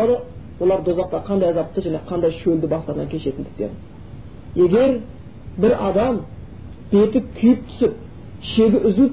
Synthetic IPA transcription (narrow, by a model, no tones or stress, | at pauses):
ɑd̪əwo̞lˠɑɾd̪ozɑq̚t̪ɑqʰɑnd̪ɑjɑzɑp̚t̪ːəʒæne̞qʰɑnd̪ɑjʃɵld̪ɪbɑsˠɑɾnɑŋʲkʲʰeʃe̞t̪ɪnd̪ɪk̚t̪e̞̰n | je̞ɡʲe̞ɾ | bɪɾɑd̪ɑm | b̥e̞t̪ɪkʲʰʏjɪp̚t̪ʰʏ̥sɪp̚ | ʃe̞ɡʲɪʔʏzɪ